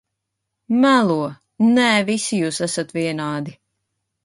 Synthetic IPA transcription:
mælˠuɔ | nɛːvisijuːsæsat̪viɛnaːd̪i

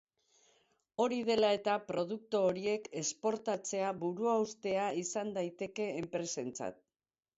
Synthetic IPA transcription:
o̞ɾiðe̞lae̞t̪apɾo̞ð̞uk̚t̪oːɾie̞ke̞spo̞ɾt̪at͡se̞aβuɾuawst̪e̞aisand̪ajt̪e̞ke̞ːmpɾe̞se̞nt͡sa̰t̪̚

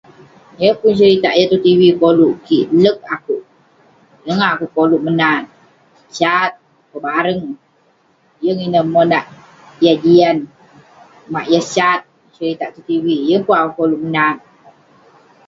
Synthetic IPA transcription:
jəpunt͡ʃəɾit̪a̰ʔjat̪ut̪iwikoluʔkiʔlək̚akuʔ | jəŋakukoluʔmənan | t͡ʃat̪̚ | kəbaɾəŋ | jəŋinəmonaʔ | jad͡ʒian | maʔjəsat̪̚ | t͡ʃəɾit̪aʔt̪ut̪iwijəŋpuŋakukoluʔmənan

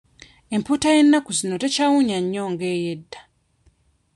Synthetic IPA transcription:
e̞mputaje̞nːakuzino̞te̞caːwuɲaɲːoːŋɡeːje̞dːa

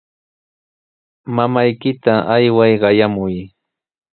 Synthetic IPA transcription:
mamajkɪt̪aʔajwajɢɑjamʊj

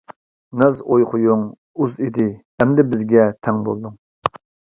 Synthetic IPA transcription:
nɛzojχʊjuŋ | uzid̪ɪ | ɛmd̪ɛbɪzɡʲɛt̪ʰɛŋbo̰lˠd̪uŋ

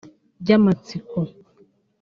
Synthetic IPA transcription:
ɟamat͡sikɔ

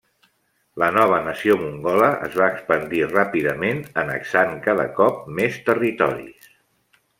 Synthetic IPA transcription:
lənɔβ̞ənəsiomuŋɡɔləʔə̰zβaːkspənd̪irapiðəmenənə̰ksaŋkaðə̰kɔp̚mest̪ərit̪ɔ̰ɾḭs

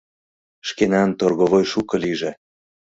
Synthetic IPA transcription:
ʃkenɑnt̪orɣovojʃukɤ̆liʒĕ

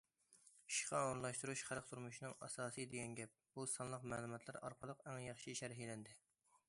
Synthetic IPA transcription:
i̥ʃqʰɑoɾŋlˠɑʃt̪uɾuʃχæɾq̚t̪ʰuɾmuʃinɨŋɑ̰sɑːsɨd̪eɡʲɛnɡʲɛp̚b̥usɑnlˠəqmæ̰ːlˠumɑt̪ʰlˠæɾɑ̰ɾqʰɑlˠəqæŋjɑχʃiʃɛɾɦilɛnd̪ɪ

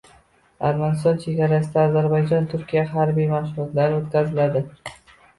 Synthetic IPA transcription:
aɾmanɪst̪ɒnt͡ʃʰe̞ɡʲaɾasɪd̪aːzaɾbajd͡ʒɒnt̪ʰʊɾkʲijaɦaɾbijmaʃʊɾɒt̪laɾot̪kʲazɪlad̪ɪ

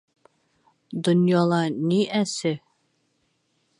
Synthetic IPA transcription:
d̪onjɑlˠɑniʔæsɘ

